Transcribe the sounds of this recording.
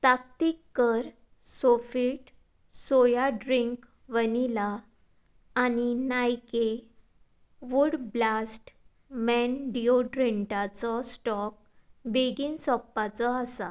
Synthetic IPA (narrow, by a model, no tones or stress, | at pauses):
t̪ak̚t̪ikːəɾ | sofiːʈ | sojaɖɾiŋk | ʋənilaː | ninajke | ʋuɽblasʈ | mɛnɖioɖɾeɳʈat͡sɔsʈɔk̚ | beɡiːnsɔpːat͡sɔəsa